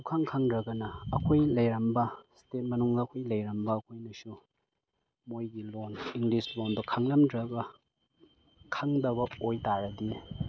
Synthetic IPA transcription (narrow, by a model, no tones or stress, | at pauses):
ukʰaŋkʰaŋdɾɐɡɐnɐːkʰojlɐjɾɐmbɐstet̚mɐnuŋɡɐːkʰojlɐjɾɐmbɐːkʰojnɐsu | mojɡiloniŋɡlislonbɐkʰaŋlɐmdɾɐɡɐ | kʰaŋdɐbɐojtaɾɐdi